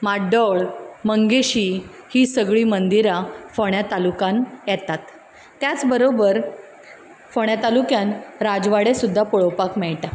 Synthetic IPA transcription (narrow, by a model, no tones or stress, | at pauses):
maɖɔɭməŋɡeɕiːhiːsəɡɭiːmənd̪iɾafəɳ̃jat̪alukanjɛt̪at̪ː | jat͡sbəɾobəɾ | fəɳ̃jat̪alukjanɾad͡ʑʋaɽesud̪ʱːapuɭowpakmɛɭʈa